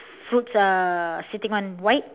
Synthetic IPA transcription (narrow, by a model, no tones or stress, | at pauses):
fɹutsasitɪ̃ŋɔ̃nwajt̚